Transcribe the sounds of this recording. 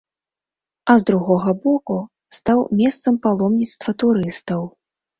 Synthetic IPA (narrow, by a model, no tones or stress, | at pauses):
ɐzd̪ɾuɣɔɣɐbɔku | st̪awmʲɛst̪sɐmpalˠɔmnʲit̪st̪vɐt̪uɾɨst̪ɐw